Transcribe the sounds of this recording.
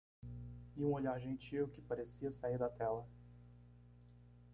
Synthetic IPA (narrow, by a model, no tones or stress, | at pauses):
iũoʎaɾʒẽnt͡ʃiwkɪpaɾesiɐsaiɾd̪at̪ɛlɐ